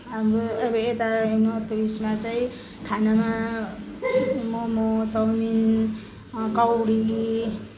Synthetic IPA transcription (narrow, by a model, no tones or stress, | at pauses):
ɦamɾoʌbʌet̪aɦinot̪bismat͡saĩ | kʰanama | momot͡sʌwmin | kawɽi